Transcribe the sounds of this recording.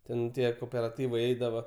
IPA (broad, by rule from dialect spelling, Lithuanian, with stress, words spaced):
ˈtʲɛn ˈtʲiɛ koːpʲɛrɐˈtʲiːʋɐɪ ˈɛɪdɐʋɐ